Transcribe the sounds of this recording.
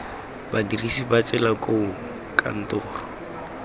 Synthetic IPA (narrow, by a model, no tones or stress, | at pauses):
badirisibat͡sʼɛlakʼoʊ | kʰʼa̰n̩tʊːrɔ